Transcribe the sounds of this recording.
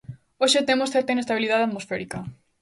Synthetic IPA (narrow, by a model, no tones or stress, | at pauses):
oʃet̪emosθɛɾt̪ɐinest̪aβilið̞aðeaðmosfɛɾikɐ